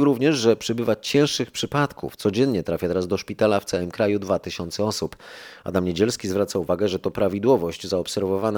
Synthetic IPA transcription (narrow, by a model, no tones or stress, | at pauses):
ɾuvɲɛʐʐɛpʂɘbɘvat͡ɕɛ̃w̃ʂɘxpʂɘpat̪kʰṵft̪sɔd͡ʑɛnːɲɛt̪ɾafʲjat̪ɛɾazd̪ɔʂpʲit̪alaft̪sawɘmkɾajud̪vat̪ɘɕɔnt̪sɛɔsupa̰d̪amɲed͡ʑɛlskʲizvɾat̪sauvaɡɛʐɛt̪ɔpɾavʲid̪wɔvɔʑd͡ʑzaɔpsɛɾvɔvan